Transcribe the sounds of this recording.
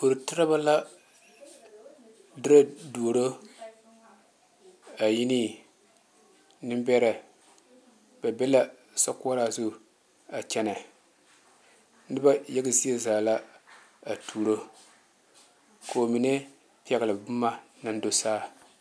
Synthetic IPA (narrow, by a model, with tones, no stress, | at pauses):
o˨ɾɨ˨tɪ˦ɾa˦ba˦la˦ | dɨ˦ɾa˦du˨o˨ɾo˦ | a˨ji˦ni˦ | nɨ˦mbɛ˦ɾɛ˨ | ba˨bɛ˦la˦ | sa˦kʊ˦a˦ɾa˨zu˦˨ | a˨t͡ʃɛ˦na˨ | nɨ˦ba˦jɛ˦ɡɪ˦zi˦e˦zaː˨la˦ | a˨tʰuː˨ɾo˦ | kʰo˨mi˨ne˦ | pi˦ɛ˨ɡa˨lɨ˨bʊ˦mːa˦ | na˦n˦do˦saː˦